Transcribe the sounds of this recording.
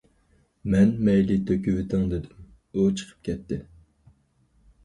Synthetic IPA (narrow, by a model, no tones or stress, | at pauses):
mɛnmɛjlɪt̪ʰøkʲywɪt̪ʰɪŋd̪ɪd̪ɪm | ut͡ʃʰə̥qʰə̥p̚kʲɛt̪ʰːɪ